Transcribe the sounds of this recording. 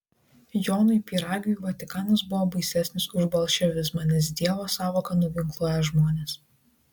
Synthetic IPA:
joːnʊɪpʲiːɾɑːɡʲujʋɐt̪ʲɪkɑːnɐs̬bʊʋoːbɐɪsʲæsʲnʲɪsʊʒbɐlˠʃʲɛʋʲɪsmɐnʲɛs̬d̪ʲiɛʋoːsɑːʋoːkɐnʊʋʲɪŋklˠuɔjɛʒmoːnʲeːs

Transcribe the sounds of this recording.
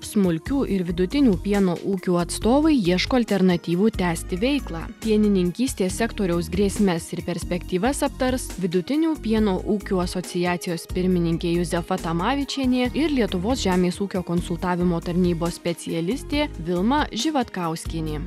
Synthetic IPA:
smʊlʲkʲuːʔɪɾʋʲɪd̪ʊt̪ʲɪnʲuːpʲiɛnoːʔuːkʲuːɐt̪st̪oːʋɐɪiɛʃkoːɐlʲt̪ʲɛɾnɐt̪ʲiːʋuːt̪ʲæːsʲt̪ʲɪʋʲɛɪklˠɑ̰ːpʲiɛnʲɪnʲɪŋʲkʲiːsʲt̪ʲeːsʲɛkt̪oːɾʲɛʊs̬ɡɾʲeːsʲmʲɛsɪɾpʲɛɾʲsʲpʲɛkt̪ʲiːʋɐsɐp̚t̪ɐɾsʋʲɪd̪ʊt̪ʲɪnʲuːpʲiɛnoːʔuːkʲuːɐsoːt̪sʲɪjæːt̪sʲɪjoːspʲɪɾʲmʲɪnʲɪŋʲkʲeːjʊzʲɛfɐt̪ɐmɑːʋʲɪt͡ʃʲiɛnʲeːɪɾlʲiɛt̪ʊʋoːsʒʲæːmʲeːsuːkʲoːkonsʊlˠt̪ɑːʋʲɪmoːt̪ɐɾʲnʲiːboːsʲsʲpʲɛt̪sʲɪɛlʲɪsʲt̪ʲeːʋʲɪlˠmɐʒʲɪʋɐt̪kɑˑʊsʲkʲiɛnʲeː

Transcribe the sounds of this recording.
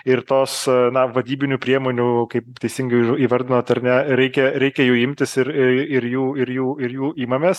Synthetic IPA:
ɪrt̪oːsnɐʋɐd̪ʲiːbʲɪnʲuːpʲɾʲiɛmoːnʲukɐɪpt̪ʲɛɪsʲɪŋɡɐɪɪiːʋɐɾʲd̪ʲɪnoːt̪ɐɾnʲɛɾʲɛɪkʲɛɾʲɛɪkʲɛjuːɪmʲt̪ʲɪsɪɾɪɪɾjuːɪɾjuːɪɾjuːiːmɐmʲeːs

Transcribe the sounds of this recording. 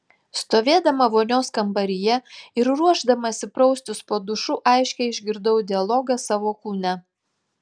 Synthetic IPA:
st̪oːʋʲeːd̪ɐmɐʋoːnʲoːskɐmbɐɾʲɪjɛɪɾɾuɔʒd̪ɐmɐsʲɪpɾɔʊsʲt̪ʲʊspoːd̪ʊʃuʔɑɪʃʲkʲɛɪɪʒʲɡʲɪɾd̪ɐʊd̪ʲɪɐlˠɔɡɐsɑːʋoːkuːnʲæ

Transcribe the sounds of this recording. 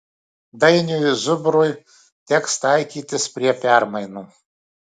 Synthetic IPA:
d̪ɐɪnʲujzʊbɾʊj | t̪ʲɛkst̪ɑɪkʲiːt̪ʲɪspʲɾʲiɛpʲæˑɾmɐɪnuː

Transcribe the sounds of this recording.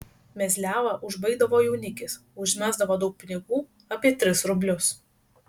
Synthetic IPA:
mʲɛzʲlʲæːʋɐʔʊʒbɐɪɡd̪ɐʋoːjɛʊnʲɪkʲɪs | ʊʒʲmʲæːzd̪ɐʋoːd̪ɒʊk̚pʲɪnʲɪɡuː | ɐpʲiɛt̪ʲɾʲɪsɾʊbʲlʲʊs

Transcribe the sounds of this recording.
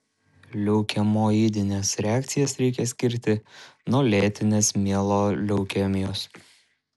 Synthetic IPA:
lʲɛʊkʲɛmoːjid̪ʲɪnʲeːsɾʲɛæːkt̪sʲɪjɛsɾʲɛɪkʲɛsʲkʲɪɾʲt̪ʲɪnuɔlʲeːt̪ʲɪnʲeːsmʲiɛlˠoːlʲɛʊkʲɛmʲɪjoːs

